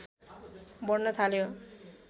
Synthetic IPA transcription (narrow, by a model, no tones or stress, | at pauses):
bɔɾnot̪ʰaleo